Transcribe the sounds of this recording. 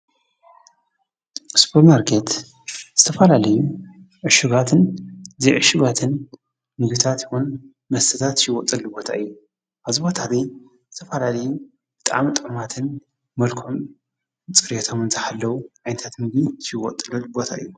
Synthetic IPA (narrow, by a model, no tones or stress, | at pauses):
su̥pʰɐɾmaɾkʰet̪ | z̥ɨt̪ʰɐfɐlalɐju | ʕɨʃɨɡat̪ʰɨnzijʕɨʃɨɡat̪ʰɨn | mɨɡit̪ʰat̪jxun | mɐst̪ʰɐt̪ʰat̪ʃɪwɔt̪ʼɐlːɨbo̞t̪ʰa̰ɨjːu | ʔaβzibo̞t̪ʰaβij | zɨt̪ʰɐfɐlalɐju | b̥ɨt̪ʼa̰ʕmit̪ʼɨʕɨmat̪ʰɨn | mɐlkʰom | t͡sʼɨɾet̪ʰo̞mɨnt̪ʰɨħalːɐwuʕajnɐt̪ʰat̪mɨɡiʃɨwɔ̰t̪ʼɨlɐlɨbo̞t̪ʰa̰ʔɨ̰jːu